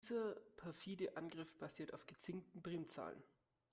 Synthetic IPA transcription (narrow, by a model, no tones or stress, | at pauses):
zɐpʰɛɐfiːdəʔanɡʁɪfb̥aziːɐtaʊfɡ̥ət͡sɪŋ̚tn̩bʁeːmt͡sa̰ːlən